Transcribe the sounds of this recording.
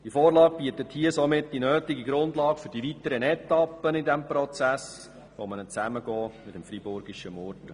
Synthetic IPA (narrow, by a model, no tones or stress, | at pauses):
d̥ifɔːɾlɑːɡ̚b̥iːətəthiəsomɪt̚ːd̥inøːtɪɡiɡɾʊndlɑːɡfʏɾd̥iʋitəɾənɛt̪ɑpːənɪdɛmpɾɔt͡sæs | ʋomənət͡sæməɡɔːmɪtəmfɾibʊɾɡiʃəmɔrtə